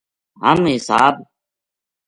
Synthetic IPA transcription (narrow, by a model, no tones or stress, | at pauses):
ɦəmɦɪsa̰ːb